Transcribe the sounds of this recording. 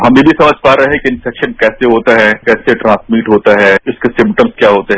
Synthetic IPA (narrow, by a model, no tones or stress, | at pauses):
ɦɐmẽbʱisɐməd͡ʒʱpaːɾɦɛkiɪ̃nfɛkʃənkɛːseɦoːt̪aɦɛːkɛːseʈɾãːsmiːʈɦoːt̪aɦɛːɪskesɪ̃mp̚ʈəmzkjaːɦoːt̪eɦɛ